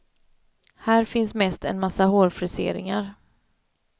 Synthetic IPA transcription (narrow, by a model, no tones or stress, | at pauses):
hæːɾfɪnsmɛst̪ɛ̰nmasːahoːɾfɾɪsḛːɾɪ̰ŋaɾ